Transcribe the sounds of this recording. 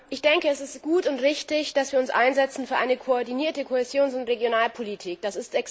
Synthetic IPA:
ʔɪçd̥ɛŋkəɛsɪstɡ̥uːtʊntʁɪçtɪçd̥asviːɐʊnsʔa̰ɪnzɛt͡sn̩fyːɐʔa̰ɪnəkʰoɔɐdiniːɐtəkʰohezjoːnsʊntʁeɡjonaːlpʰolitʰiːk̚d̥asɪstɛk

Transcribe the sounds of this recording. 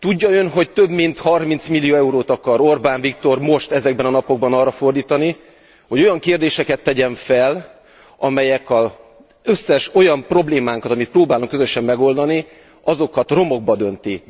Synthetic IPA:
t̪uɟːɒø̞nɦo̞ct̪ø̞bmint̪hɒrmint̪smilːijoɛuɾoːt̪ɒkɒɾo̞rbaːɱvikt̪o̞rmo̞ʃt̪ɛzɛɡ̚bɛnɒnɒpo̞ɡ̚bɒnɒːrːɒfo̞rd̪iːt̪ɒni | ho̞ɟo̞jɒŋkeːrd̪eːʃɛkɛt̪ːɛɟɛɱfɛl | ɒmɛjɛkɒ | øsːɛʃo̞jɒmpro̞bleːmaːŋkɒt̪ɒmit̪̚proːbaːluŋkːøzøʃɛmːɛɡo̞ld̪ɒni | ɒzo̞kɒt̪ro̞mo̞ɡ̚bɒd̪ø̞nt̪i

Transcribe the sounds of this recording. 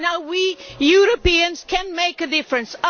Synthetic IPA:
naʊwijuɾɨpiɨ̃nz̥kʰɨ̃nmeɪkɨdɪfɹɨ̃ns

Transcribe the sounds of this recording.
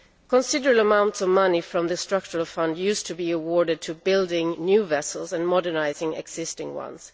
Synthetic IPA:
kʰə̃nsɪdəɹəbl̩əmãʊ̃ntsʌvmʌnifɹʌ̃mðɨstɹ̥ʌk̚t͡ʃəɹəl̩ˠfʌ̃ndjʉstʰɨbiəwɔɹɾɨd̚tʰɨbɪlˠdɪ̃ŋnjʉvɛsl̩ˠzɨ̃nmɔdə˞naɪzɪ̃ŋɛ̰ɡsɪstɪ̃ŋwʌ̰̃nz̥

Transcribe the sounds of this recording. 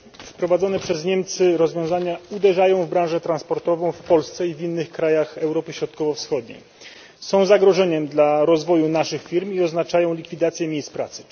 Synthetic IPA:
fpɾɔvad̪ɔnɛpʂɛzɲɛmt̪sɘɾɔzvʲjɔ̃w̃zaɲaud̪ɛʐajɔ̃w̃vbɾãw̃ʐɛt̪ɾanspɔɾt̪ɔvɔ̃w̃fpɔlst̪sɛivʲinːɘxkɾajaxɛwɾɔpɘɕɾɔt̪̚kɔvɔfsxɔd̪̚ɲḛj | sɔ̃w̃zaɡɾɔʐɛɲɛmd̪laɾɔzvɔjunaʂɘxfʲiɾmiɔznat͡ʂajɔ̃w̃lʲikfʲid̪at̪sʲjɛmʲejspɾa̰t̪sɘ̥

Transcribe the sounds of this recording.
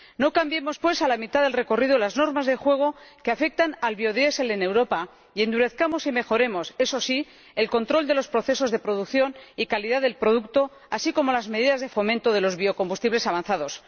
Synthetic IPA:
no̞kambjemo̞spwe̞salamit̪aðe̞lre̞ko̞riðolazno̞ɾmazðe̞xwe̞ɣ̞o̞keafe̞k̚t̪analβjo̞ðje̞selene̞wɾo̞pa | ie̞nd̪uɾe̞θkamo̞sime̞xo̞ɾe̞mo̞se̞so̞si | e̞lko̞nt̪ɾo̞ld̪e̞lo̞spɾo̞θe̞so̞zðe̞pɾo̞ð̞ukθjo̞nikaliðaðe̞lpɾo̞ðukt̪o̞ | asiko̞mo̞lazmeðiðazðe̞fo̞mẽnt̪o̞ðe̞lo̞zβio̞ko̞mbust̪iβle̞saβanθað̞o̞s

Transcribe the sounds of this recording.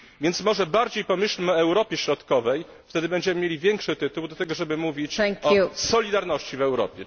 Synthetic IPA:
vʲjɛnt̪smɔʐɛbaɾd͡ʑejpɔmɘɕlmɘɔɛwɾɔpʲjɛɕɾɔt̪kɔvɛj | ft̪ɛd̪ɘbɛɲd͡ʑɛmɘmʲjelʲivʲjɛŋkʂɘt̪ɘt̪uwd̪ɔt̪ɛɡɔʐɛbɘmuvʲit͡ɕɔsɔlʲid̪aɾnɔɕt͡ɕivɛwɾɔ̰pʲjɛ

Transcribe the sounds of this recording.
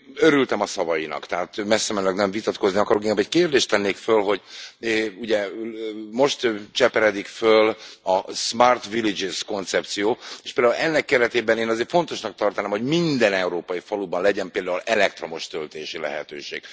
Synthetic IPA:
øɾylt̪ɛmɒsɒvɒjinɒ̰kt̪ɛɦaːt̪mɛsːɛmɛnlɛknɛɱvit̪ɒt̪ko̞zniɒkɒɾokeŋkabɛckeːrd̪eːʃt̪ɛnːeːkfølɦo̞ɟ | uɟɛ | mo̞ʃt̪t͡ʃɛpɛɾɛd̪ikfølɒsmaːrt̪ʋilid͡ʒizko̞nt̪sɛp̚t̪sijoːeːʃpeld̪aːulɛnːɛkːɛɾɛt̪eːbɛneːnɒzeːrt̪fo̞nt̪o̞ʃnɒk̚t̪ɒrt̪anaːmho̞ɟmind̪ɛnɛuɾoːpɒjifɒlubɒnlɛɟɛmpeːld̪aːulɛlɛk̚t̪ro̞moʃt̪ølt̪eːʃilɛ̰ɦɛ̰t̪ø̰ːʃeːɡ̥̚

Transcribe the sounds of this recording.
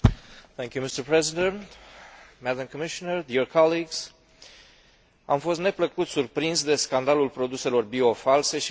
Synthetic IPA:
θɛ̃ŋkjumist̪əɾpɹɛzid̪ə̃nt̪mæd̪ãmkɔmiʃɔnərd̪iɾkʰɑliɡz̥ | a̰mfo̞st̪ne̞pləkut̪surpɾinzd̪e̞skand̪alulpɾo̞d̪use̞lo̞rbio̞false̞ʃi

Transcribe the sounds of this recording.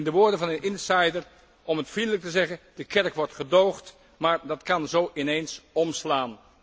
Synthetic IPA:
ɪndəʋʊːɹdənvɑnənɪnsajdər | ɔmɦətfrindələk̚təzɛχənd̥əkɛɹkʋɔɹtχədowχt | maːɹdɑtkɑnzowʔɪnejnsɔmslaːn

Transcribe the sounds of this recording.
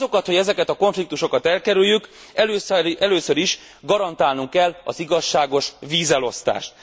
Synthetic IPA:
zo̞kɒt̪hoɟɛzɛkɛt̪ɒko̞ɱflik̚t̪uʃo̞kɒt̪ɛlkɛɾyjːyk | ɛɛløːsøɾiʃ | ɡɒɾɒnt̪aːlnuŋkːɛlːɒ̰ziɡɒʃːaːɡo̞ʃviːzɛlo̞st̪a̰ːʃt̪̚

